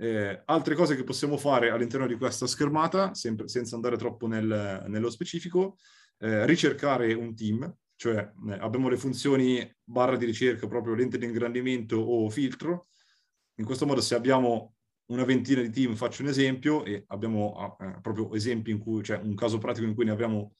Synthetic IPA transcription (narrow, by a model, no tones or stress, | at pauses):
ɛalt̪ɾekɔːzekepːosːjaːmofaːɾealːint̪ɛrnod̪ikwest̪askermaːt̪asɛmpɾesɛnt̪sand̪aɾet̪ɾɔpːonelnelːospet͡ʃiːfiko | ɛrit͡ʃerkaːɾeunt̪im | t͡ʃoɛa̰bːjaːmolefunt̪sjoːni | barːad̪iɾit͡ʃerkapɾɔːpɾjolent̪ed̪iŋɡɾand̪iment̪oʔːfilt̪ɾo | iŋkwest̪omɔːd̪oseabːjaːmo | unavent̪iːnad̪it̪imfat͡ʃːounezɛmpjoʔea̰bːjaːmo̰pːɾɔːpɾjoʔezɛmpiːŋkujt͡ʃoɛʔuŋkaːzopɾaːt̪ikoiŋkujneabjaːmo